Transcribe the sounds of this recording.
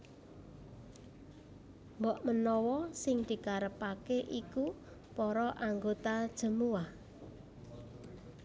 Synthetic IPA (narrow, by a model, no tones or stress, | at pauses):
mbɔʔmənɔwɔsɪŋd̪̥i̤kaɾəpakeʔiku | pɔɾɔʔaŋɡot̪ad̥ʒ̥ə̤muwah